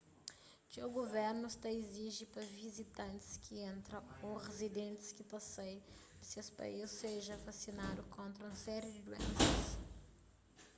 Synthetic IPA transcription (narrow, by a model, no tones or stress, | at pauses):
kɪoɡoveɾnʊst̪ɐiziʒɪpɾɐvizit̪ɐ̃nt̪ɪ̥skʰɪẽnt̪ɾɐ̃oʁezid̪ẽnt̪ɪ̥skɪt̪ɐsej | siɐspɐ̰jiseʒɐvasinad̪ʊkõnt̪ɾɐũɐsɛɾjɪd̪ɪd̪uḛ̃nsɐs